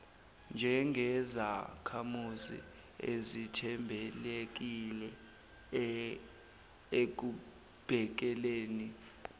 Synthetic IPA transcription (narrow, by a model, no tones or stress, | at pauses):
nd͡ʒʱɛŋʱɛzakʰamuzḭ | ḛzitʰɛmbʱɛlek̬ilɛ | ek̬u | b̥ʱɛk̬ɛleːni